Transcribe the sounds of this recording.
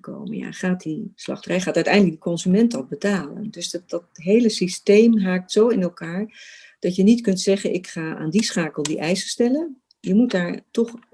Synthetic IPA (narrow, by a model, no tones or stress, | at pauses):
ko̰wmə̰ja̰ːχaːt̚dislɑ̰χtərɛjχaːtœɥtɛjndlək̚ɡdəkɔnzymɛntɑbətaːlə̰ndɵsdɑtɦejləsistejmɦaːk̚tsowɪnɛlˠkaːɹ | d̥ɑtjənitkɵntsɛχənʔɪkχaːa̰ːndisχaːkəlˠdiʔɛjsəstɛlən | jəmutdaːɹtɔχ